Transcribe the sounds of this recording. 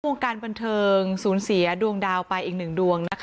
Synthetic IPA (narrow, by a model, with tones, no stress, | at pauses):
oː˧ŋkaː˧nba˧nt̪ʰɤː˧ŋsuː˩˦nsi˩˦ɐdu˧əŋdaː˧wpa˧jʔiː˨˩k̚nɯ˨˩ŋdu˧əŋna˦˥kʰ